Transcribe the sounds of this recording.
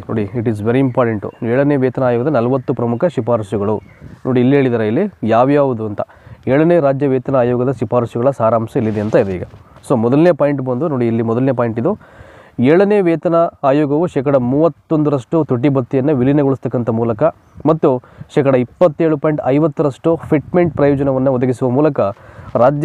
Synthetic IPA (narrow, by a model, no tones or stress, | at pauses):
noːɽiiʈizʋeɾiːmpaːɾʈeɳʈṵeːɭɐneːʋeːt̪ɐnɐaːjoːɡɐd̪ɐnɐlɐʋɐt̪ːupɾɐmukʰɐʃipaːɾɐsjuɡɐɭunoːɽiːlːieːɭid̪aːɾeilːijaːʋjaːʋud̪uɐnt̪ɐ | eːɭɐneːɾaːd͡ʒjɐʋeːt̪ɐnɐaːjoːɡɐd̪ɐʃipaːɾɐsuɡɐɭɐsaːɾaːmsɐilːid̪eɐnt̪ɐid̪eiːɡɐsoːmɔd̪ɐlnepaːjiɳʈbɐnd̪unoːɽiːlːimɔd̪ɐlneːpaːjɳʈid̪u | eːɭɐneːʋɛːt̪ɐnɐaːjoːɡɐʋuʃɛːkɐɽɐmuːʋɐt̪ːond̪uɾɐʂʈut̪uʈ̬ːibɐt̪ːijɐnːɐʋilinɐɡoɭust̪ɐkːɐnt̪ʰɐmuːlɐkɐ | mɐt̪ːuʃɛːkɐɽɐipːɐt̪ːeːɭupɐjiɳʈɐjʋɐt̪ːuɾɐʂʈupʰiʈ̚meɳʈ̚pɾɐjoːd͡ʒɐnɐʋɐnːɐɔd̪ɐɡisuʋɐmuːlɐkɐɾaːd͡ʒj